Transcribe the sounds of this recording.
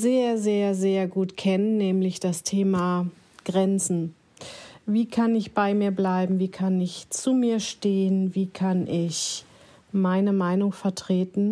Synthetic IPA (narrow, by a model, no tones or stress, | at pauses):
zeːɐzeːɐzeːɐɡuːtkʰɛnənːɛːmlɪçd̥astʰeːma | ɡ̥ʁɛnt͡sn̩ | viːkʰanɪçb̥aɪmiːɐblaɪbm̩viːkʰanɪçt͡suːmiːɐʃteːənviːkʰanʔɪç | maɪnəmaɪnʊŋfɛɐtʁ̥eːtn̩